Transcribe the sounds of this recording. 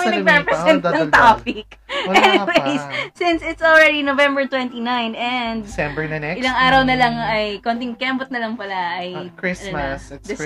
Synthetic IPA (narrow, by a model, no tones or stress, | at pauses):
ŋɐɡɾɛpɹɛsɛnt̪ɐŋt̪aːpɪk̚ɛnɪwejsːɪ̃nsɪt̪sɔlɹɛd̪inovɛ̃mbɛɹt̪wɛ̃nt̪inãjnɛnd̪ɛ̃bəʔɪlɐŋʔaːɾɐwnɐlɐŋɐjkoːnt̪ɪŋkɛmbʊt̪̚nɐlɐŋpɐlaʔɐjkɹɪɐnd̪ɪs